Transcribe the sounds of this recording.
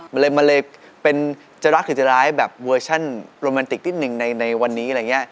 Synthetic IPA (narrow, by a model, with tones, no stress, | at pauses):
ma˧ləː˧jma˧ləː˧jpe˧n | t͡ɕa˧wla˦˥k̪̚ʰɯ˧˩t͡ɕ̪ə˧laː˦˥jbɛː˨˩p̚wəː˧t͡ɕʰa˥˩nɾoː˧mɛː˧nt̪i˨˩k̚t̪ʰi˥˩t̪̚nɯ˨˩ŋna˧jna˧jwa˧nːiː˦˥˧ɾa˧˩jŋi˦˥ɐ